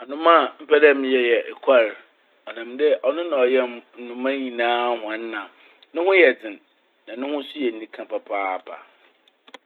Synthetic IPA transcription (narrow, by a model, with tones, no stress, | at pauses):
ɔ˨nʊ̃˦mã˦˨m̩˦pʰɛ˦dɛ˦m̃˨˦jɛ˨jɛ˨ʔɛ˨kʷʰa˦˨ɾ | ɔ˨nã˨mdɛ˦ʔɔ˨nʊ̃˦nã˨ɔ˨jɛ˦mn̩˨nʊ̃˨mã˦ɲĩ˨nãː˦hʊ̃˨n̩˦nã˨ | nʊ̃˦hʊ̃˦jɛ˨d͡zɪ̃˨n | nã˨nʊ̃˦hʊ̃˦sʊ˦jɛ˨n̩˦nĩ˦kʰã˨pʰa˨pʰaː˦˨pʰa̰˨